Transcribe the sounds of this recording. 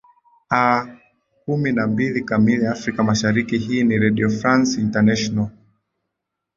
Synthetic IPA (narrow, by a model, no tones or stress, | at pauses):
a | kuminambilikamiliafɾikamaʃaɾikiɦiːniɾɛɗiɔfɾansintanɛʃɔnal